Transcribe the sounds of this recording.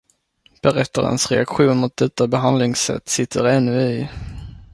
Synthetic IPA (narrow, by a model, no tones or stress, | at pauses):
b̥ɛɾɛt̪ʰːaɾə̰nsɾɛ̰akɧuːnmʊt̪̚d̪ɛt̪ːabɛɦand̪lɪŋsɛ̰t̪ːsɪt̪ʰːəɾɛnːɵɪ